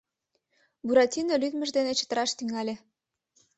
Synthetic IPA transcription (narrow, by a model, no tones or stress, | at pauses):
buɾɑtʲinolyd̪mə̆ʒd̪enet͡ɕə̥̆t̪ə̆ɾɑʃt̪yŋɑlʲe